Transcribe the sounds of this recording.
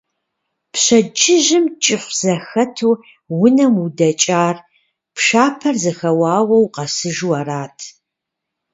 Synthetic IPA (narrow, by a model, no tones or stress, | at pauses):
pɕɐd͡ʒɪʒɪmt͡ʃʼɪχʷz̥ɐxɐtʰuː | wʊnɐmudɐt͡ʃʼaːr | pʰʂaːpʰɐrzɐxɐwaːwɐwqɐsɨʒuwaraːtʰ